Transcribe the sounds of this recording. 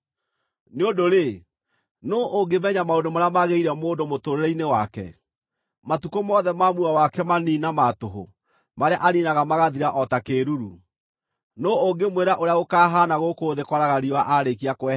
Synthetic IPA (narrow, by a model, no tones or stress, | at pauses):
neodoɾe | noʔoɡemɛɲamaodomaɾeamaɣeiɾɛmoːndomotoɾeɾɛinewakɛ̰ | matukomɔðɛmamuawakɛmaninamatoɦo̰ | maɾeaʔaninaɣamaɣaðiɾaʔɔtakeːɾuɾu | nooŋɡemweɾaʔoɾeaɣokaːɦaːnaɣokoːðekwɔɾaɣaɾiwaʔaɾekiakwɛ